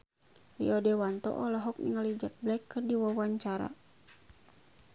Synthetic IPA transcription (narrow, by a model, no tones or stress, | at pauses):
lḭɔdɛwant̪ɔ̰ʔɔlɔɦɔk̚niŋalid͡ʒak̚blɛkːɨrdiwawaɲt͡ʃaɾa̰